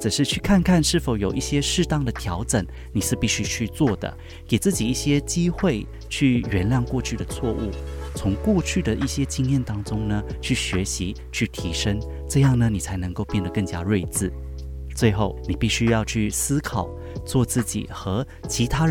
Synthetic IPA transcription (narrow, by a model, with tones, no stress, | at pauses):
t͡sə˨˩ʂɻ̩˥˧t͡ɕʰy˥˩kʰa˥˧nkʰa˥˧nʂɻ̩˥˩fo˨˩ʊjo˨˩ʊʔi˥˩ɕjɛ˥ʂɻ̩˥˧t̪ɑ˥˩ŋd̪ə˨t̪ʰjɑ˧˥ʊʈ͡ʂə˨˩ŋ | ni˨˩ʂɻ̩˥˧pi˥˩ɕy˥t͡ɕʰy˥˧t͡swɔ˥˩d̪ə̰˩ | ke˨˩ɪt͡sɹ̩˥˩t͡ɕi˨˩i˥˩ɕjɛ˥t͡ɕi˥xwe˥˩ɪ | t͡ɕʰy˥˩ɥɛ˧˥nljɑ˥˧ŋkwɔ˥˧t͡ɕʰy˥˩d̪ə˩t͡sʰwɔ˥˧ʔu˥˩t͡sʰʊ˧˥ŋkwɔ˥˧t͡ɕʰy˥˩d̪ə˩ʔi˥˩ɕjɛ˥t͡ɕi˥ŋjɛ˥˩nt̪ɑ˥ŋt͡sʊ˥ŋnə˨t͡ɕʰy˥˩ɕɥɛ˧˥ɕi˧˦ | t͡ɕʰy˥˩t̪ʰi˧˥ʂə˥ŋ | ʈ͡ʂɤ˥˧jɑ˥˩ŋnə˩ni˨˩t͡sʰa˧˥ɪnə˧˥ŋko˥˧ʊpjɛ˥˩nd̪ə˩kɤ˥˩ŋt͡ɕja˦˥ɻwe˥˧ɪt͡sɹ̩˥˩ | t͡swe˥˧ɪxo˥˩ʊni˨˩pi˥˩ɕy˥jɑ˥˧ʊt͡ɕʰy˥˩sɹ̩˥kʰɑ˨˩ʊ | t͡swɔ˥˧t͡sɹ̩˥˩t͡ɕḭ˨˩xɤ˧˥ | t͡ɕʰi˧˥t̪ʰa˥